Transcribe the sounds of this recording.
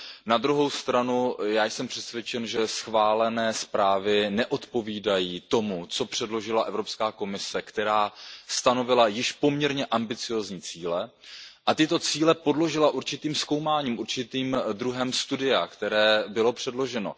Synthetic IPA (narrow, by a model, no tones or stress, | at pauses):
nad̪ɾuɦo̞wst̪ɾanujaːjsɛmpr̥ɛsvjɛt͡ʃɛnʒɛsxvaːlɛnɛːspɾaːvɪnɛʔo̞t̪po̞viːdajiːt̪o̞mut͡so̞pr̝̥ɛdlo̞ʒɪlaʔɛvɾo̞pskaːko̞mɪsɛkt̪ɛɾaːst̪ano̞vɪlajɪʃpo̞mɲɛɾɲɛʔambɪt͡sɪjo̞ːzɲiːt͡siːlɛ | ʔat̪ɪt̪o̞t͡siːlɛpo̞dlo̞ʒɪlaʔuɾt͡ʃɪt̪iːmsko̞wmaːɲiːmʔuɾt͡ʃɪt̪iːmd̪ɾuɦɛmst̪udɪakt̪ɛɾɛːbɪlo̞pr̝̥ɛdlo̞ʒɛno̞̰